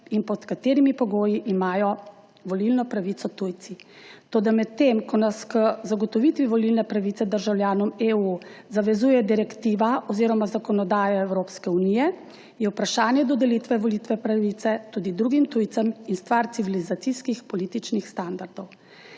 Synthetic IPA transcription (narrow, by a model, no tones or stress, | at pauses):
inpɔt̪kat̪eːɾimipɔɡoːjiʔimaːjɔ | ʋɔlilnɔpɾaʋit̪sɔt̪ujt̪si | t̪oːd̪amɛt̪ːemkɔnaskəzaɡɔt̪ɔʋit̪ʋiʋɔlilnɛpɾaʋit̪sɛd̪əɾʒawljaːnɔmeuzaʋɛzuːjɛd̪iɾɛkt̪iːʋaɔziːɾɔmazakɔnɔd̪aːjaɛwɾoːpskɛunijɛ | jɛwpɾaʃaːnjɛd̪ɔd̪ɛlit̪ʋɛʋɔlit̪ʋɛpɾaʋit̪sɛt̪uːd̪id̪ɾuɡimt̪ujt̪səminst̪ʋaɾt̪siʋilizat̪siskixpɔliːt̪it͡ʃnixst̪and̪aɾd̪ɔw